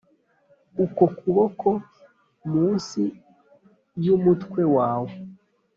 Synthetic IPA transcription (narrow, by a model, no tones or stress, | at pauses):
ukokuβoko̞ | muːnsi | jumutkwe̞waːwo